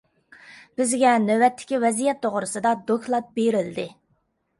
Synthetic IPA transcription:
b̥ɪzɡʲɛnøwɛt̪ʰːɪ̥kʲivɛzijɛt̪ʰːoʁɾʊsɨd̪ɑd̪okʰlˠɑt̪̚beɾɪld̪ɪ

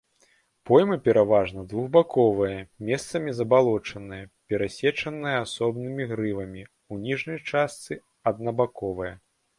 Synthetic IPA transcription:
pɔjmɨpʲɛɾavaʐnɐd̪vuɣbakɔvɨjɐmʲɛst̪sɐmʲizɐbalˠɔt͡ʂɐnɨjɐpʲɛɾasʲɛt͡ʂɐnɨjɐasɔbnɨmʲiɣɾɨvɐmʲi | unʲiʐnɐjt͡ʂast̪sɨ | ɐd̪̚nɐbakɔvɨjɐ

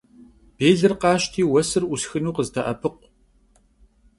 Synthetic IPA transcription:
b̥eːɮɨrqɑːʃtʰiːwɐsɨrʔusxɨnuːqəztʰɐʔɐpʰɨqʷ

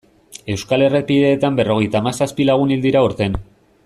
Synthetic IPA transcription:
e̞wskale̞repiðe̞ːt̪ambe̞ro̞ɣ̞e̞jt̪aːmasaspilaɣ̞unild̪iɾauɾt̪e̞n

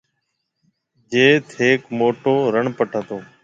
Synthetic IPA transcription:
d͡ʒeːt̪ʰeːkmoːʈoːɾəɳpəʈʰãːt̪oː

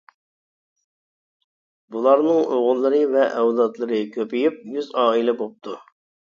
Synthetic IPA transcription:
bulˠɑɾnɨŋʔoʁʊlˠːɨɾɨvɛʔɛwlˠɑt̪lˠɨɾɨkʲʰøpijyp̚jyzɑːilɛbop̚t̪ʰu

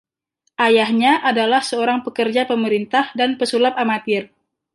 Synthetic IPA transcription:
ʔajahɲaʔadalahsəoɾaŋpəkərd͡ʒapəməɾint̪ahdanpəsulap̚amat̪ɪr

